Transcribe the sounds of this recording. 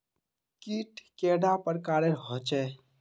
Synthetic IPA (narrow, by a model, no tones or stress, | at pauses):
kiʈkeɽapəɾkaːɾeɾɦot͡ʃɛ